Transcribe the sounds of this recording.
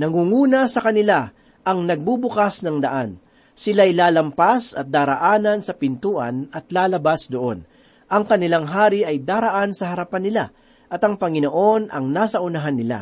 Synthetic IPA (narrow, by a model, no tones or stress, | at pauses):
nɐŋuːŋuːnɐsɐkɐnɪla | ʔɐŋnɐɡ̚bubʊkasnɐŋd̪ɐʔan | sɪlaɐjlaːlɐmpasɐ̰t̪̚d̪aːɾɐʔaːnɐnsɐpɪnt̪uːʔɐ̰nɐt̪̚laːlɐbasd̪oʔo̞̰n | ʔɐŋkɐnɪlaŋɦaːɾɪʔɐjd̪aːɾɐʔansɐhɐɾɐpanːɪla | ʔɐt̪ɐŋpɐŋɪnoʔo̞nʔɐ̰ŋnaːsɐʔʊnɐɦanːɪla̰